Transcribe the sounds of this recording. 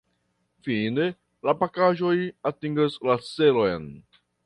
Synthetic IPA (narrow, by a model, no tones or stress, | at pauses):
fine̞ | lapakaʒo̞jatiŋɡaslat͡se̞lo̞jn